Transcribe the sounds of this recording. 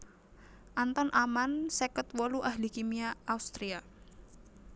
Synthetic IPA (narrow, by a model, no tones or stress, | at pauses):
ʔant̪ɔnʔamansɛkət̪wɔluʔaɦlikimiaːust̪ɾia